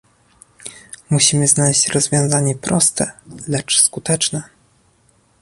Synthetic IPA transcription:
muɕimɘznalɛɕt͡ɕɾɔzvʲjɔ̃w̃zaɲɛpɾʔɔst̪ɛ̰lɛt͡ʂskut̪ɛt͡ʂnɛ

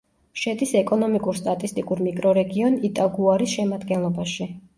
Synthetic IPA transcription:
ʃɛd̪isɛkʼɔnɔmikʼuɾst̪ʼat̪ʼist̪ʼikʼuɾmikʼɾɔɾɛɡiɔnit̪ʼaɡuaɾisʃɛmad̪ɡɛnlˠɔbaʃi

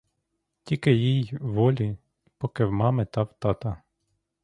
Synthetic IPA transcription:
tʲikɪjijʋɔlʲi | pɔkɪwmɑmɪt̪ɑwt̪ɑt̪ɐ

